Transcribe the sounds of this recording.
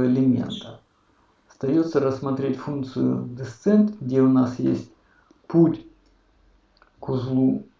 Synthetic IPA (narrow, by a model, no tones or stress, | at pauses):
ɪlʲɪmʲḛnt̪ə | st̪ɐjot̪səɾəsmɐt̪ɾʲetʲfunk̚t̪sɨjʊ̰d̪ɨst̪sɛnt̪ɡdʲeʊnasjḛsʲt̚ʲ | putʲ | kʊzlˠu